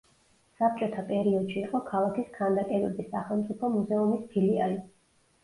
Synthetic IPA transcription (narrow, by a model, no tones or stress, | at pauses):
sap̚t͡ʃʼɔt̪ʰapʼɛɾiɔd̪̥ʃiːqʼɔkʰalˠakiskʰand̪akʼɛd̪ɛbisːaχɛlˠmt̪sʼipʰɔmuzɛumispʰiliali